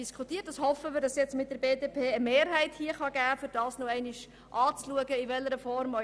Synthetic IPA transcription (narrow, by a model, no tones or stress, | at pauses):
iskʰutiːət̚d̥ɑshɔfəmɪɾdɑsjɛt͡smɪt̚d̥əɾbeːdepʰeːəmeːɾɦæɪthiəχɑɡæːfyɾd̥ɑːsnoɛɪnɪʃ | ʔɑːt͡sluəɡəiʋɛlːəɾəfɔɾmɔ